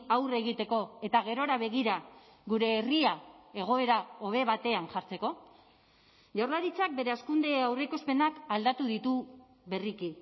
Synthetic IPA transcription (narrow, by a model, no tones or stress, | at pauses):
awre̞ɣ̞it̪e̞ko̞e̞t̪aɣe̞ɾo̞ɾaβe̞ɣ̞iɾa | ɣuɾe̞ːriae̞ɣ̞o̞e̞ɾao̞βe̞βat̪e̞anʝaɾt͡se̞ko̞ | ʝawɾrlaɾit͡sak̚be̞ɾe̞askund̪eawre̞kospe̞nakald̪at̪uðit̪u | βe̞riki